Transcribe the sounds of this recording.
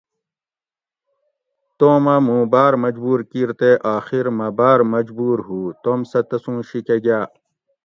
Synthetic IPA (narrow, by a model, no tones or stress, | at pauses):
t̪oːmɐmũːbaːɾmɐd͡ʑbuːɾkiɾt̪eʔaːxiɾmɐbaːɾmɐd͡ʑbuːɾɦuːt̪omsɐt̪ɐsũːɕikeɡaː